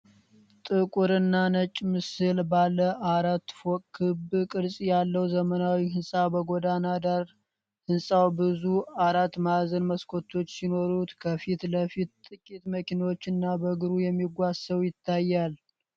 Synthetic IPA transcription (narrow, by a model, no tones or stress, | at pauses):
t̪ʼɨkʼuɾɨnːanət͡ʃʼmɨsɨlbalːəʔaɾat̪ːfokʼkʰːɨbkʼɨɾsʼijalːəwzəmənawihɨnsʼabəɡod̪anad̪aɾ | hɨnsʼawbɨzuaɾat̪ːmazənməskʰo̞t̪ʰːo̞t͡ʃːsino̞ɾut̪kʰəfit̪ləfit̪t̪ʼːɨkʼit̪məkinwot͡ʃːɨnːabəɡɨɾujɛmːiɡʷasəwjɪt̪ʰːajːal